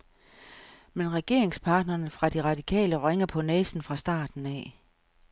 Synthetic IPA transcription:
menʁɛɡ̥e̝ɐe̝ŋspʰɑ̈ːd̥nɐːnəfʁɑ̈d̥iʁɑ̈d̥ikʰɛ̰ːləʁeŋɐpʰɒ̽nɛːsn̩fʁɑ̈sd̥ɑ̰̈ːd̥n̩ɛ

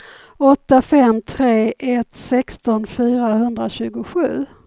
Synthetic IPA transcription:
ɔt̪ːafɛmːt̪ʰɾeːʔɛt̪sɛkst̪ɔnfyːɾahɵnd̪ɾaɕʉ̟ːɡʊɧʉ̟ː

